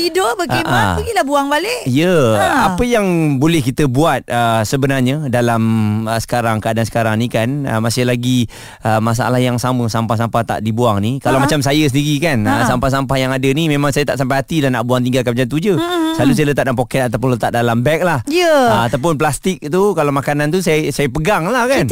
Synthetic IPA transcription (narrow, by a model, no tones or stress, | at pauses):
t̪idobəɡaʔabəɡitlahbuaŋbalɪʔijəapəjaŋbolɛhkit̪əbuat̪̚əsəbənarɲədalaməsə̥kaɾaŋkəadansə̥kaɾaŋnikanə̰masɪhlaɡi | əmas̬aʔa̰lahjaŋsaməsampahsampaht̪a̰ʔdibuaŋnikalamat͡ʃams̬ajəsəndiɾikanəsampahs̬ampahjaŋadənimemãŋsajət̪aʔsampajɦat̪ilahnaʔbuaŋt̪iŋɡalkamad͡ʒant̪̬ud͡ʒəsalus̬ajələt̪at̪̚dalampokɛt̪̚at̪awp̬ʊnlət̪at̪̚dalambɛk̚lahjəəat̪awp̬ʊnplast̪ɪk̚t̪ukalawmakanant̪usasajəpəɡaŋlahkan